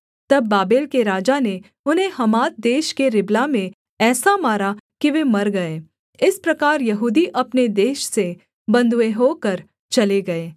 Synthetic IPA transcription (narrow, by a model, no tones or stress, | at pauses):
t̪ɐbːaːbeːlkeɾaːd͡ʒane | ʊnɦẽɦɐmaːt̪̚d̪eːʃkeɾɪblamẽ | ɛːsamaːɾakiʋemɐɾɡɐeː | ɪspɾɐkaːɾjɐɦuːd̪iʔɐpned̪eːʃse | bɐ̃nd̪ʱueɦoːkɐɾ | t͡ʃɐleɡɐeː